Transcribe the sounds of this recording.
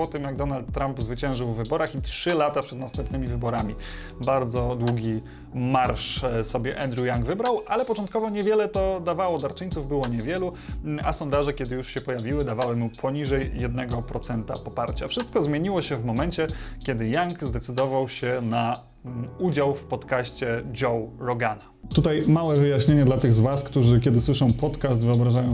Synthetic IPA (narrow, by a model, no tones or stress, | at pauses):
pɔt̪ɘmjaɡ̚d̪ɔnalt̪ːɾampzvɘt͡ɕɛ̃w̃ʐɘwvːɘbɔɾaxitʂɘlat̪apʂɛd̪nast̪ɛmp̚nɘmʲivɘbɔɾamʲi | baɾd̪zɔd̪wuɡʲi | maɾʂsɔbʲjɛʔɛnd̪ɾujaŋɡvɘbɾawʔalɛpɔt͡ʂɔnt̪̚kɔvɔɲɛvʲjɛlɛt̪ɔd̪avawɔd̪aɾt͡ʂɘɲʲt̪suvbɘwɔɲɛvʲjɛlu | asɔnd̪aʐɛkʲɛd̪ɘjuʂɕɛpɔjavʲiwɘd̪avawɘmupʰɔɲiʐɛjːɛd̪nɛɡɔpɾɔt̪sɛnt̪apɔpaɾt͡ɕafʂɘst̪̚kɔzmʲjeɲiwɔɕɛvmɔmɛnt͡ɕɛkʲɛd̪ɘjaŋkzd̪ɛt̪sɘd̪ɔvawɕɛna | ud͡ʑawfpɔt̪kaɕt͡ɕɛd͡ʒɔwɾɔɡanat̪ut̪ajmawɛvɘjaɕɲeɲɛd̪lat̪ɘɣzvaskt̪uʐɘkʲɛd̪ɘswɘʂɔ̃w̃pɔt̪kas̬t̪vɘɔbɾaʐajɔ̃w̃